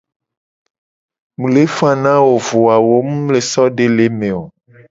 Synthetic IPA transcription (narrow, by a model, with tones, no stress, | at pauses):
mũ˨le˦fã˦nã˦wo˨vo˨a˨wo˦mũ˦mle˨sɔ˦ɖe˦˨le˨˦mẽ˨o˨